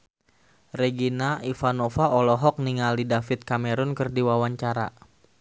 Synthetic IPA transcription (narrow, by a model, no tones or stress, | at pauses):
rɛɡinaʔifanofaʔɔlɔɦɔk̚niŋaldidafɪt̪̚kamɛɾʊnkɨrdiwawaɲt͡ʃaɾa̰